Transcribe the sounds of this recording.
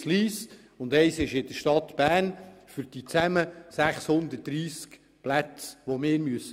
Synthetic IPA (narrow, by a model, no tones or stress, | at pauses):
sliːs | ʊnd̪ɛɪsɪʃɪd̥̪əʃtɑt̪b̥æːɾnfyɾd̥it͡sæməsæχshʊnd̪ət̚d̥ɾiːsk | plæt͡sʋomɪːɾmyəsə